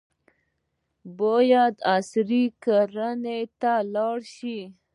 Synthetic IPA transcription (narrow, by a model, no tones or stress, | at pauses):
bojad̪asɾikaɾanet̪alɑɽʃi